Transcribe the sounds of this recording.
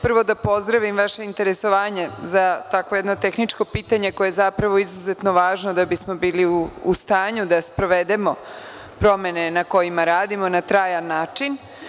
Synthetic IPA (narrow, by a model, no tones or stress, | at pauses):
pr̩ʋo̞d̪apo̞zd̪ɾaʋimʋaʃe̞int̪e̞ɾeso̞ʋaːɲe̞zat̪akʋo̞jed̪no̞t̪e̞xnit͡ʃko̞piːt̪aɲe̞kojeezapɾaʋo̞izuzet̪no̞ʋaːʒno̞d̪abismo̞biːliuːst̪aːɲud̪aspɾo̞ʋed̪e̞mo̞ | pɾo̞me̞ne̞nako̞jimaɾaːd̪imo̞nat̪ɾaːjanːaːt͡ʃin